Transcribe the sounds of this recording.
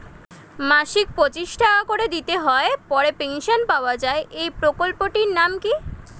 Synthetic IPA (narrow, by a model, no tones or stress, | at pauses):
maʃik̚pɾot͡ɕiʃʈʰakoɾed̪it̪eɦɔepɔɾepenʃonpaoad͡ʑaeʔejpɾokolpoʈiɾnamki